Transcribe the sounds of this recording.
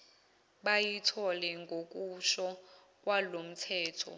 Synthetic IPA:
ɓajitʰɔlɛŋɡʱok̬ʼuʃɔ | k̬ʼwalom̩tʰɛːtʰɔ̰

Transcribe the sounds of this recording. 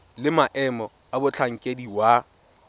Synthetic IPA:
lɪmaʔɛmɔ | abʊt͡ɬʰaŋ̩kʼediwa

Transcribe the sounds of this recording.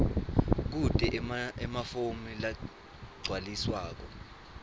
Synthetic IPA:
k̬utʼɛʔɛmafomila | ɡ͡ǀʱwaliswaːk̬ɔ

